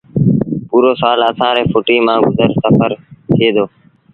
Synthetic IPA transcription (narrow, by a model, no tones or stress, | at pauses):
puːɾoːsaːləsãːɾeːfʊʈiːmãːɡʊzəɾsəfʰəɾt̪ʰeːd̪oː